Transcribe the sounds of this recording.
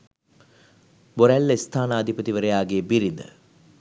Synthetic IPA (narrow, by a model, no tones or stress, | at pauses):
boɾælːəist̪ʰaːnəːd̪ʱipət̪iʋəɾejaːɡeːbiɾid̪ə̰